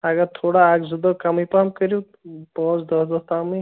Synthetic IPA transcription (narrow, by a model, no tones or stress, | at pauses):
aɡat̪ʰoɽaːɡzud̪ɔkamipamkəɾu | pɔsd̪ɔd̪ɔt̪ami